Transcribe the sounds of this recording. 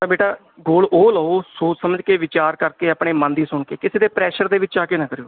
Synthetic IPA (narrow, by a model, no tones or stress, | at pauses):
t̪abeːʈaː | ɡoːloːləːoːsoːt͡ʃsəməd͡ʒkeːʋɪt͡ʃaːɾkəɾkeːəpɳ̃eːmə̃nd̪iːsʊɳkeːkɪseːd̪eːpɾɛːʃəɾd̪eːʋɪt͡ʃaːkeːnãːkəɾejoː